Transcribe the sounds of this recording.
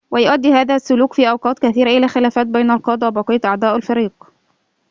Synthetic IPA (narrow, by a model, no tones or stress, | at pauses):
wæjʊʔæd̪ːihæːðæsːʊluːkfiːʔɑwqɑːt̪kæθiːɾæʔɪlæːxɪlæːfæːt̪̚bæjnælqɑːd̪ˤɑwæbɑqɑjːɑt̪ʔɑʕd̪ˤæːʔælfɑɾiːq